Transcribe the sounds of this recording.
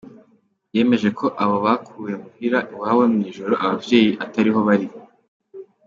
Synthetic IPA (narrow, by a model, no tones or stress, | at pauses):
je̞ːme̞ʒe̞kʰo̞ʔaβo̞βakʰuːje̞muhiɾaʔiwaːwemŋiːʒo̞ɾo̞ʔaβavje̞ːjiʔataɾiɦo̞βaɾi